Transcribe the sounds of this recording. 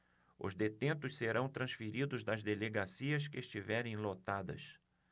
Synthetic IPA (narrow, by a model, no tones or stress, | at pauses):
ʊ̰zd̪et̪ẽnt̪ʊsseɾɐ̃w̃t̪ɾɐ̃sfiɾid̪ʊzd̪ɐzd̪eleɡasiɐskɪeʃt͡ʃivɛɾẽj̃lot̪ad̪ɐ̰s